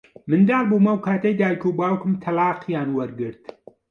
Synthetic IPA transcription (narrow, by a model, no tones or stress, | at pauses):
mɨnd̪aːlbuːmɐwkʰaːt̪ejd̪aːjkuːbaːwkɨmt̪ʰɐlaːqjaːnwɐɾɡɨɾt̪